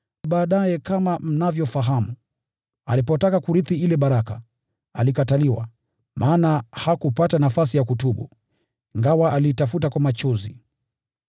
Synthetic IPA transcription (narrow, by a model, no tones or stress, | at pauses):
ɓaːɗajɛkamam̩navjɔfaɦamu | a̰lipɔtakakuɾiθiilɛɓaɾaka̰ | a̰likataliwa̰ | mʔaːnahakupatanafasijakutuɓṵ | iŋɡawaʔaliːtafutakwamat͡ʃɔzi